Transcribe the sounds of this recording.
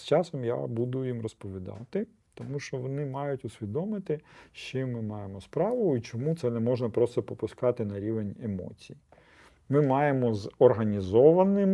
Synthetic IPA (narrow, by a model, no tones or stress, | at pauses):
st͡ʃɑsɔmja̰bud̪ʊjimrɔspɔʋʲid̪ɑ̰t̪ɪ | t̪ɔmuʃt͡ʃɔʋɔnɪmɑjʊtʲʊsʲʋʲid̪ɔmɪt̪ɪʃt͡ʃɪmːɪmɑjemɔspɾɑʋʊit͡ʃɔmut̪sɛnɛmɔʒnɐpɾɔst̪ɔpɔpʊskɑt̪ɪnɐɾʲiʋenʲemɔ̰t͡sʲiji | mɪmɑjemɔzɔrɦɐnʲizɔʋɐnɪm